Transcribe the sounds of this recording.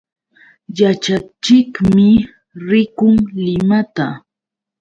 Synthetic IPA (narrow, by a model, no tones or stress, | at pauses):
jat͡ʃat͡ʃɪkmmɪ | ɾɪkʊŋlɪmat̪a